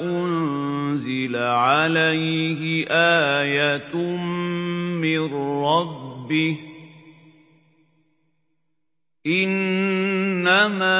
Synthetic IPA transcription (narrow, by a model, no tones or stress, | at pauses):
ʔʊnnzɪlaʕalajɦɪʔaːjat̪ | mɪrɾɑbːɪh | ʔɪnː | amaː